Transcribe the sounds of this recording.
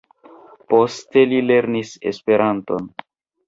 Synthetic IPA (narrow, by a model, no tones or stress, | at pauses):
po̞ste̞lile̞ɾnise̞̰spe̞ɾʔanto̞̰n